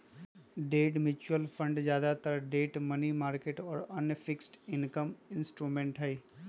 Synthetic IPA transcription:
ɖeːʈmɪt͡ʃuəlfʰə̃ɳɖzjaːd̪at̪əɾɖeːʈmɐnimaːɾkeːʈɔːɾɐnfʰɪksʈɪnkəmɪ̃nsʈɾuːmẽːɳʈɦɛiː

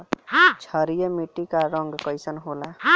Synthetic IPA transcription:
ɦt͡ʃʰəɾijemiʈikaɾɔŋɡkɔjsənɦolaɦ

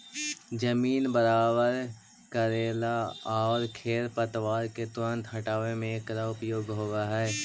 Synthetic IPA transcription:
d͡ʒəmiːnbəɾaːbəɾ | kəɾeːlaɔːɾkʰeːɾpət̪ʋaːɾket̪ʊɾə̃nt̪ɦɐʈaːʋemẽkɾaʊpjoːɡɦoːɡaɦɛː

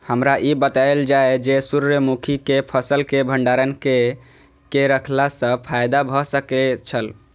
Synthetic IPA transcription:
həmɾaʔibət̪aeld͡ʒaed͡ʒesuɾəmukʰikepʰəsəlkebʱəɳɖaɾənke | keɾəkʰlasə̃pʰajd̪abʱɔsəket͡ʃʰəl

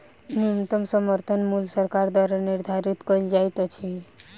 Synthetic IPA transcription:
niəmt̪əmsəməɾt̪ʰənmulsəɾkaɾd̪waɾəniɾd̪ʱaɾit̪kəld͡ʒajt̪ət͡ʃʰi

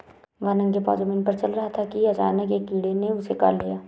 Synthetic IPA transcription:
ʋaːnə̃ŋkepa̰ːd͡ʒomɪnpɐɾt͡ʃɐlɾɐɦat̪ʰakiɐt͡ʃa̰ːnəkeːkiːɽeneʊseka̰ːlːijaː

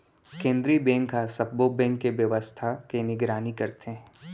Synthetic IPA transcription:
kẽːnd̪ɾibɛ̃ːŋkɦasɐbbobɛ̃ːŋkːeʋjɐʋəst̪ʰakenɪɡɾaːnikɐɾt̪ee

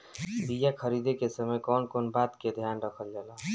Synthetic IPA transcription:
b̪ijakʰəɾid̪ekesəməjkɔːnkoːnbaːt̪ked̪ʱjaːnɾəkʰəld͡ʒala

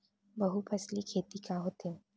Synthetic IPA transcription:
bɐɦupʰɐslikʰeːt̪ikaɦoːt̪e

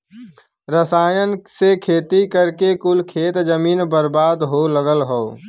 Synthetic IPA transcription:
ɾəsaːjənsekʰeːt̪ikəɾkekʊlkʰeːt̪d͡ʒəmiːnbəɾbaːd̪ɦoləɡəlɦoː

